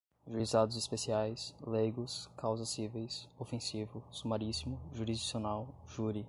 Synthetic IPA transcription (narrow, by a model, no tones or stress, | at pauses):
ʒuɾizad̪ʊzispesiajsleɡʊskawzɐsivejsofẽsivʊsumaɾisimʊʒuɾizd͡ʒisionawʒuɾi